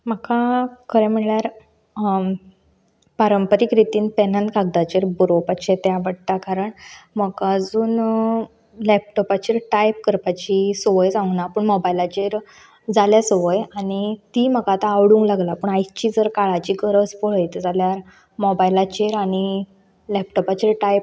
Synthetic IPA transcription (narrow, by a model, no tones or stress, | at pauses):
m̤əkʰakʰəɾãm̤iɭɭjaɾ | paɾəmpəɾikɾit̪iːnpenənkaɡ̚d̪at͡ɕeɾbuɾopakɕet̪jaʋəɽt̪akaɾəɳm̤əkaːd͡zuːn | lɛp̚ʈɔpat͡ɕeɾʈajp̚kəɾpat͡ɕisɔʋəjd͡zãŋnapəɳmɔbajlat͡ɕeɾ | d͡zaljasɔʋəjaɽ̃it̪im̤əɡat̪aːʋɽũːŋklaɡlapəɳajt͡ɕiːd͡zəɾkaɭat͡ɕiːkəɾət͡spoɭ̤əjt̪ed͡zaljaɾ | mɔbajlat͡ɕeɾaɽ̃i | lɛp̚ʈɔpat͡ɕeɾʈajp̚